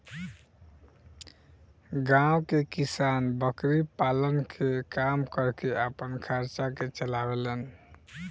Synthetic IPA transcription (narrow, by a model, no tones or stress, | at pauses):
ɡawkekisanbəkɾipalənkʰekamkəɾkeapənkʰaɾt͡ʃaket͡ʃəlabelen